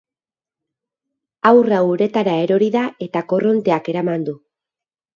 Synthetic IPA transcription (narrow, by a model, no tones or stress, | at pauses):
awrawuɾe̞t̪aɾae̞ɾo̞ɾiðae̞t̪ako̞ro̞nt̪e̞ake̞ɾamand̪u